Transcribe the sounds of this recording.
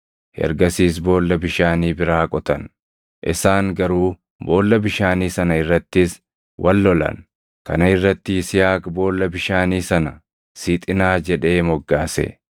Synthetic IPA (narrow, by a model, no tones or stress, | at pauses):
hɛ̰ɾɡɐsiːs̬bo̞ːlːɐbɪʃaːniːbɪɾaːkʼɔt̪ɐn | ʔɪsaːŋɡɐɾuː | bo̞ːlːɐbɪʃaːniːsɐnɐɪrːɐt̪ːɪs | wʔɐlːɔlɐ̰n | kɐ̰nɐɪrːɐt̪ːɪɪsɪjaːkbo̞ːlːɐbɪʃaːniːsɐnɐ | siːt̪ʼɪnaːd͡ʒɛᶑe̞ːmɔɡːaːsɛ̰